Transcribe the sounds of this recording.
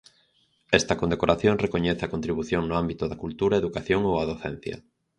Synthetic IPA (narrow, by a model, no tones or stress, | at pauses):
ɛst̪ɐkond̪ekoɾaθjoŋrekoɲɛθɐkont̪ɾiβ̞uθjoŋnʊambit̪ʊðɐkult̪uɾɐeðukaθjoŋowaðoθɛ̰n̟θjɐ̰